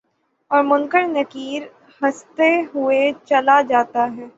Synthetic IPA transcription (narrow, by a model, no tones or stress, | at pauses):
ɔːɾmʊ̃ŋkəɽnɐkiːɾ | hɐst̪eɦʊet͡ʃɐlad͡ʒaːt̪aɦɛː